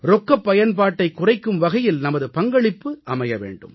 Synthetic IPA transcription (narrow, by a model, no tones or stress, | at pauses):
ɾɔkːɐpːɐjɐnpaːʈːɐɪkːʊrɐɪkːɯmʋɐɣɐjɪlnɐmɐðɯpɐŋɡɐɭɪpːɯʔɐmɐjɐʋḛːɳɖɯ̰m